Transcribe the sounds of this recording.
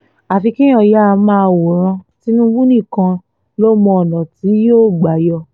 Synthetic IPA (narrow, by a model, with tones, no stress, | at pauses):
a˨fi˧ki˦j̃ɔ̃˧˨ja˦˧mãː˦˧wo˨ɾ̃ã˧ti˦nũ˦wu˦nĩ˦˨kã˧ | lo˦mɔ̃˧ɔ˨nã˨ti˨˦joː˦˨ɡ͡ba˨jɔ˧